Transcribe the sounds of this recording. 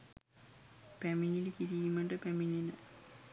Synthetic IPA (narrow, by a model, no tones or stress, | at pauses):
peminilkiɾijumeɳɖɨpemininɨ